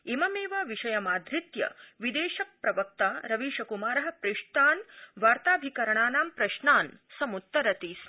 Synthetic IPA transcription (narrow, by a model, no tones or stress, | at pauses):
emɐmeːʋaʋiʃɐjɐmaːd̪ɾit̪jɐ̰ʋid̪eːʃɐk̚pɾɐʋɐk̚t̪aːɾɐʋiːʃɐkumaːɾɐɦɐ̆pɾiʂʈ̪aːnʋaːɾt̪aːbʱikɐɾɐɳaːnaːmpɾɐʃnaːnsɐmut̪ːɐɾɐt̪iːs